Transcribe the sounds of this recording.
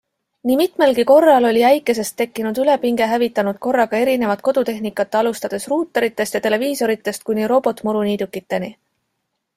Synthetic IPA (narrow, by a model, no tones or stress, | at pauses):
nimit̪ˑme̞lɡiko̞rːɑlo̞lʲiæjkːˑe̞s̬e̞st̪ːe̞kːinud̪yle̞piŋɡ̥e̞ɦævit̪ːˑɑnud̪̥̚ko̞rːɑɡɑe̞ɾine̞vɑt̪̚ko̞d̪̥ut̪e̞ɦnikːˑɑt̪ːeɑlust̪ɑd̪̥e̞sruːt̪ːˑɑɾit̪ːˑe̞st̪jɑt̪e̞le̞viːso̞ɾit̪ːˑe̞st̪̚kunʲːiɾo̞bo̞t̪ːˑmuɾuniːd̪̥ukːit̪ːe̞ni